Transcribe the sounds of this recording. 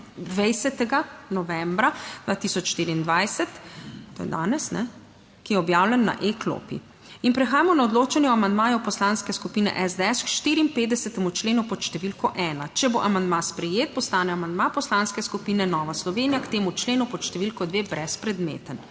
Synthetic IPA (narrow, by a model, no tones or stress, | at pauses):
d̪ʋɛjsɛt̪ɛɡanɔʋɛmbɾad̪̥ʋaːt̪isɔt͡ʃʃt̪iːɾiːnd̪ʋajsɛt̪t̪oːjɛ̰d̪aːnɛsnɛ̰ | kijɛɔbjaːwlʲɛnːa̰ʔeklo̰ːpḭ | inpɾɛxaːjamɔnaɔd̪loːt͡ʃɛnjɛɔamand̪maːjɔpɔslaːnskɛskupiːnɛ̰ʔɛzd̪ɛɛskʃt̪iːɾiːmpeːd̪ɛsɛt̪ɛmut͡ʃleːnupɔʃt̪ɛʋilkɔʔɛːnat͡ʃɛbo̰ʔamand̪maspɾɛjeːt̪̚pɔst̪aːnɛamand̪mapɔslaːnskɛskupiːnɛnɔːʋaslɔʋeːnijakt̪eːmut͡ʃleːnupɔʃt̪ɛʋilkɔd̪ʋeːbɾɛspɾɛd̪mḛːt̪ən